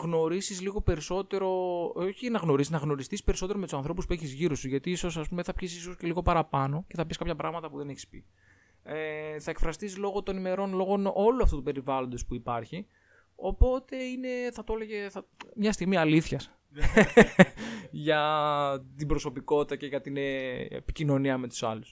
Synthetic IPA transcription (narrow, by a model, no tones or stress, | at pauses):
ɣno̞ɾisizliɣo̞pe̞ɾiso̞t̪e̞ɾo̞oçinɐɣno̞ɾisinɐɣno̞ɾist̪ispe̞ɾiso̞t̪e̞ɾo̞met̪usɐnθɾo̞puspueçizʝiɾosuʝɐt̪iisosɐspumeθɐpçisisosce̞liɣo̞pɐɾɐpɐno̞ce̞θɐpiskɐpçɐpɾɐɣmɐt̪ɐpuðe̞neçi̥spḭ | eθɐekfɾɐst̪iszlo̞ɣo̞t̪o̞nime̞ɾo̞nlo̞ɣo̞no̞loɐft̪ut̪upe̞ɾivɐlo̞nd̪o̞spuipɐɾçi | o̞po̞t̪e̞ine̞θɐt̪oeleʝeθɐmɲɐst̪iɣmiɐliθçɐs | ʝɐ | t̪ibɾo̞so̞piko̞t̪it̪ɐce̞ʝɐt̪ineḛpi̥cino̞niɐme̞t̪u̥sɐlus